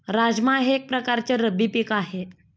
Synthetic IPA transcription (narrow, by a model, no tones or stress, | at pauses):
ɾad͡ʑmaɦeːk̚pɾəkaɾt͡ɕeɾəbipikaɦe